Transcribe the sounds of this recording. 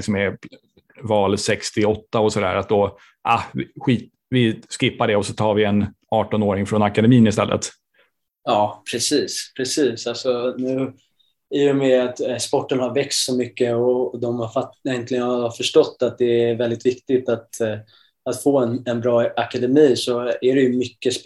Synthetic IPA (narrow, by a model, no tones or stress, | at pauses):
ɪksɔmɛ | vɑːlsɛkst̪ɪɔt̪ːaɔsɔd̪æ̰ːɾat̪̚d̪ɔ | ʔahvɪɧiːt̪ | vɪskɪpːaɖɛɔsɔt̪ʰɑːɾvɪɛn | ɑːʈɔnoːɾɪŋfɾɔnakad̪ɛmiːnɪst̪ɛlːə̰t̪ | jɑːpʰɾɛsiːspʰɾɛsiːsalsɔnʉ̟ː | ɪjɔmɛat̪spɔʈːənhaɾvɛkt̪sɔmʏkːəɔd̪ɔmhaɾfajɛnt̪ʰlɪɡənhafœʂʈɔt̪ːat̪̚d̪ɛæɾvɛld̪ɪt̪vɪkt̪ɪt̪at̪ | at̪foːɛnɛnbɾɑːakad̪ɛmiːsɔæɾɛjɵmʏkːəs